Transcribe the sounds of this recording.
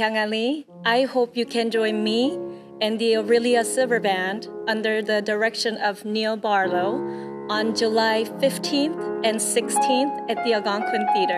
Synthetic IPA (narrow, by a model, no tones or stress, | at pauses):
kaŋali | ʔaɪhoʊpjɨkʰɨ̃nd͡ʒɔ̃ɪ̃nmi | ɨ̃nðiəɹɪlˠiəsɪlˠvə˞bæ̃ndʌ̃ndə˞ðɨdə˞ɛkʃɨ̃nʌvnilˠbɑɹloʊ | ə̃nd͡ʒɨlaɪfɪftʰĩnθɨ̃nsɪkstʰĩnθɨt̪̚ðiəɡɑ̃ŋkʰwɨ̃nθiɾə˞